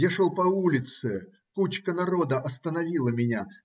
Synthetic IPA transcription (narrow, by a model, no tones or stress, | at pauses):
jaʂolˠpɐulʲɪt̪sɨ | kut͡ɕkənɐɾo̞d̪əʔɐst̪ənɐvʲilˠəmʲɪnʲa